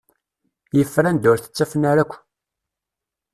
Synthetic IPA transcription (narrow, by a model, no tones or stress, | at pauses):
jəfːɾænd̪ʊɾθə̥t͡sːæfnaɾækʷː